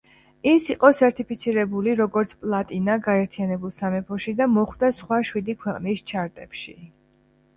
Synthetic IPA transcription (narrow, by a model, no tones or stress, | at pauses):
isiqʼɔsɛɾt̪ʰʼipʰit̪sʰiɾɛbuliɾɔɡɔɾt̪sʰpʼlˠat̪ʼinaɡaɛɾt̪ʰijanɛbulˠsamɛpʰɔʃid̪amɔχwd̪asχwaʃwid̪ikʰwɛqʼnist͡ʃʰaɾt̪ʼɛpʃi